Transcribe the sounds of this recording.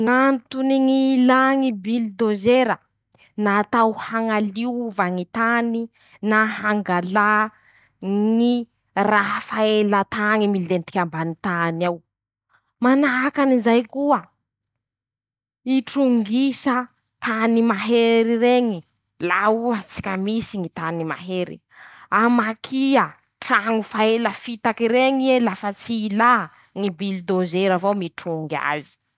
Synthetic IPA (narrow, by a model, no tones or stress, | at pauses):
ŋant̪uniŋilaŋibild̪ozeɾə | naːt̪awhaŋaliwvaŋit̪ani | naɦaŋɡala | ŋi | rafaelat̪aŋimilent̪i̥kʲambanit̪anaw | manaɦakanizajkuə | iʈ͡ʂuŋɡisə | t̪animaɦeɾiɾeŋi | lauət͡si̥kʲamisiŋit̪anima̰ɦeɾḭ | amakʰiə | ʈ͡ʂaŋufaeləfit̪akiɾeŋielafət͡siːla | ŋibilid̪ozeɾavomiʈ͡ʂuŋɡa̰zi̥